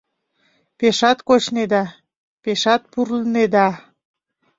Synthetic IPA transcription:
peʃɑt̪kot͡ɕned̪ɑ | peʃɑt̪̚purləned̪ɑ

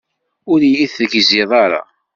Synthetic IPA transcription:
ʊɾjiθəʝzɪðˤɑɾˤɑ̰

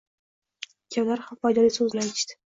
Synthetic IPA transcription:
kʲʰablaɾhamfajd̪ɒlisɵzlat͡ʃt̪ɪ̥

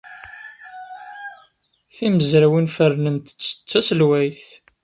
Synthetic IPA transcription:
θiməzɾæwinfərnənt̪ə̥t͡sːə̥t͡sːæsəlwæjθ

